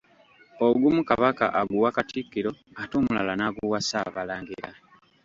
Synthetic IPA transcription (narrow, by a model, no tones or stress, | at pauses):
oɡumukaβaka̰ʔaɡuwakatʰikːiɾo̞atomula̰lanaɡuwasaβalaːŋɡiɾa